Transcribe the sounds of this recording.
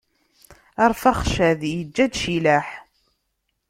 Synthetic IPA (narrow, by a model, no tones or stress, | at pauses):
ɑɾˤfaχʃæðjəd͡ʒːæd̪ʃilæħ